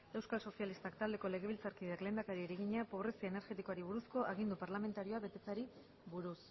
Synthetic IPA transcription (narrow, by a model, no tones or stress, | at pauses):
e̞wskalso̞sialist̪akt̪ald̪e̞ko̞le̞ɣe̞βilt͡saɾkiðeakle̞ːnd̪akaɾieɾeɣiɲapo̞β̞ɾe̞siaene̞ɾxe̞t̪ikoaɾiβ̞uɾusko̞ʔaɣ̞ind̪upaɾlame̞nt̪aɾio̞aβe̞t̪e̞t͡saɾi | βuɾus